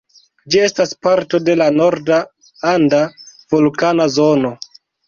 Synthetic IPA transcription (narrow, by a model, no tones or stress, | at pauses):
d͡ʒie̞staspaɾto̞de̞lano̞ɾda | andavulkanazo̞no̞